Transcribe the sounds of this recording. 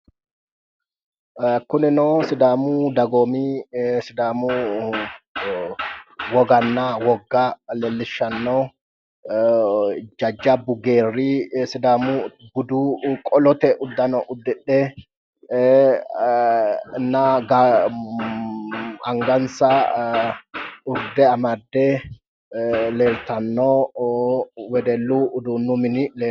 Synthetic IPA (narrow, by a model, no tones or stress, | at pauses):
kʊnɪnoːsɪd̪aːmuːd̪ɐɡoːmiːsɪd̪aːmuː | wɔɡɐnːaːwɔɡːaːlɛlːɪʃːɐnːoː | d͡ʒɐd͡ʒːabʊɡeːrːisɪd̪aːmuːbʊd̪uːkʼɔlɔt̪ɛʔʊd̪ːɐnɔʔʊd̪ːɛᶑːɛː | nɐɡɐ | ɐ̰ŋɡɐnsɐ | ᶑʊɾd̪ɛɐmɐd̪ːe | leːlt̪ɐnːoː | wɛd̪ɛlːuːʊd̪uːnːʊmɪnɪleː